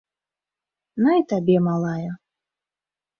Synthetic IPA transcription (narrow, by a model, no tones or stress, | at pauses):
nait̪abʲɛmalˠajɐ